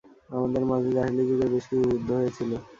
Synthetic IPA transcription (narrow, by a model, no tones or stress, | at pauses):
amad̪eɾmad͡ʑʱid͡ʑaɦilid͡ʑuɡ̪eɾbeʃkit͡ɕʰuɾud̪ʱːoɦojet͡ɕʰilo